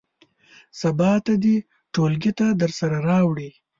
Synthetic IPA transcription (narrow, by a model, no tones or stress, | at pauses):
sabɑt̪ad̪i | ʈolɡit̪ad̪əɾsaɾaɾɑwɽi